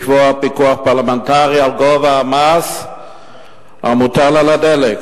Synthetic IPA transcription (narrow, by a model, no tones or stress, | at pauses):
kvoapekoaχpaʁlamɛ̃nt̪aʁialɡɔvaːmas | a̰mut̪alalad̪ɛlɛ